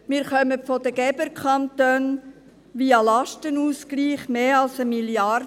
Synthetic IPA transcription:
mɪːɾχœməfɔd̪əɡ̥ɛbəɾkʰɑnt̪øːn | ʋiːɑlɑʃtənuːsɡliːχmeːɑlsəmiljɑr

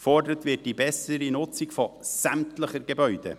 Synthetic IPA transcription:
fɔrdəɾətvɪːt̚d̥ibɛsəɾinʊt͡sikfɔsæmtləχəɾɡɛbœʏd̥ɛ̰

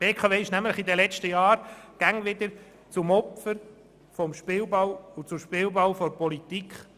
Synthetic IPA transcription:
b̥eːkʰɑveːɪʃnæmləχid̪ɛlɛt͡stəjɑːɾɡ̥aŋʋɪd̪əɾ | t͡sʊmɔpfəɾ | fɔmʃpɪlbɑwʊt͡sʊʃpɪlbɑwfɔɾpɔlit̪ikχ

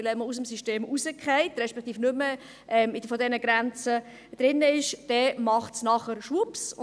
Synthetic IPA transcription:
lɛməus̬əmsiʃteːmusəkχɛɪt̪rɛʃpɛkχt̪iːfnʏmːə | ʔɛmɪfɔdɛnəɡɾɛnt͡sə | d̪̥ɾɪnːəɪʃd̥ɛmɑχtsnɑχəɾʃʋups

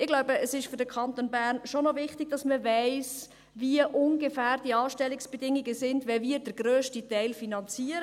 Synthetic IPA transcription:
ɪɡ̥laʊbəəsɪʃføɾdəkʰɑnt̪onbæːrnʃonɔvɪχtiɡ̥̚dɑsməvɛɪs | viəʔʊnɡəfæːrd̥iəɑːʃtɛlɪksb̥edɪŋiɡəsɪndʋɛviəɾdəɾɡrøːʃtitɛɪlfinɑnt͡siəɾə

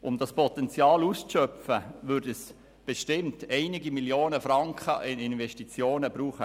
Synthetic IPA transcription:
ʔʊmdɑspɔtɛnt͡sjɑːlust͡sʃœpfəʋʏɾdəs | b̥eʃtɪmtɛɪnɪɡimiljoːnəfɾɑŋkχəʔɪnɪnʋɛʃtit͡sjoːnəb̥ɾuːχə

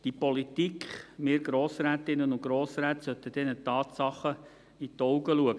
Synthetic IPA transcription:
d̥ipɔlit̪ikχmɪːɾɡ̥ɾoːsɾæːt̪ɪnːənʊɡ̥ɾoːsɾæːt̪sœt̪ːəd̥̪ɛnət̪ɑːt̪sɑχə | it̪ɔʊɡəluəɡə

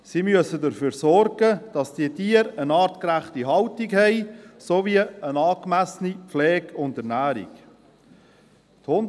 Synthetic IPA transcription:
siːmyəsədəɾfyːɾsɔrɡəd̥ɑsd̥iətiːəɾənɑːɾtkɾæχtiɦɑltiɡhɛɪsoviəənɑːkmæsənipflɛːɡʊndəɾnæːɾḭɡ | t̪hʊn

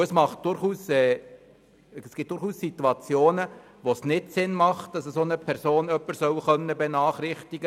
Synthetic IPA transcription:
əsmɑχt̚d̥ʊɾχuːsɛː | sɡ̥ɪt̚dʊɾχuːssit̪uɑt͡sjoːnə | ʋosnɪtsɪnmɑχt̚d̥ɑsəsoːnəpʰɛɾsoːnœpːəɾsœwχœnːəbɛnɑːχɾɪχtiɡ̥ə

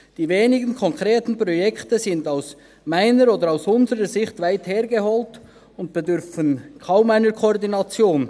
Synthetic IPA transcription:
d̥iːveːnɪɡənkʰɔŋkʁ̥eːtn̩pʁ̥ɔjɛktəzɪndaʊs | maɪnəɾoːdəɾaʊsʊnzəʁəzɪçtvaɪtheːɾɡehɔːlt | ʊnt̚b̥edʏɾfənkʰaʊmaɪnəkʰoɔʁdinɑt͡sjoːn

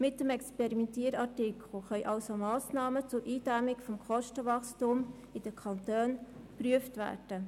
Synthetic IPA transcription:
mɪt̚dəmɛkspɛɾimɛntiːəɾɑtɪkʰl̩χœʏʔɑlsomɑːsnɑːmət͡sʊɾʔiːd̥æmɪkfɔmkʰɔʃtəʋɑχstum | id̥əkʰɑntøːnpryəftvæ̰ːɾd̥ə

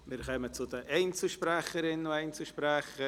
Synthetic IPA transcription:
mɪɾχɛmət͡sʊdəʔeɪnt͡suʃpɾaχəɾɪnʊeɪnt͡suʃpɾaχə

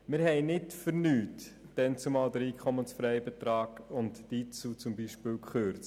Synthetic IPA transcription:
mɪːɾhɛɪnɪtfəɾnyːt | d̥ɛnt͡sumɑːldəɾiːkʰχɔmənsfɾɛɪbɛtɾɑːkʊntd̥iːt͡suːt͡sʊmbiːʃpɪːlkχøɾt͡s

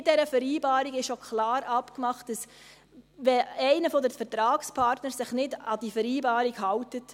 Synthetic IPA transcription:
d̥ɛɾəfəɾiːbɑːɾiɡɪʃokʰχlɑːɾɑpkmɑχt̚d̥ɑs | ʋɛɛɪnəfɔdəfəɾtɾɑːkspʰɑːɾtnəɾsɪχnɪdɑd̥ifəɾiːbɑːɾiɡhɑwtət

